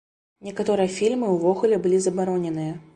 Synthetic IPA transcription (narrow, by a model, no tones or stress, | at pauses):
nʲɛkat̪ɔɾɨjɐfʲilʲmɨuwvɔɣulʲɛbɨlʲizɐbaɾɔnʲɛnɨjɐ